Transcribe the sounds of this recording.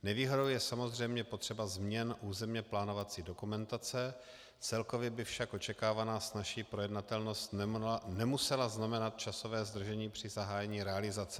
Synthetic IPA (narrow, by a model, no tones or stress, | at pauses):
nɛviːɦo̞dowjɛsamo̞zr̝ɛjmɲɛpo̞t̪r̥ɛbazmɲɛnʔuːzɛmɲɛplaːno̞vat͡siːdo̞kumɛnt̪at͡sɛ | t͡sɛlko̞vjɛbɪfʃakʔo̞t͡ʃɛkaːvanaːsnaʃiːpɾojɛdnat̪ɛlno̞st̪nɛmusɛlaznamɛnat̪̚t͡ʃaso̞vɛːzd̪r̩ʒɛɲiːpr̝̥ɪzaɦaːjɛɲiːɾɛalɪzat͡sɛ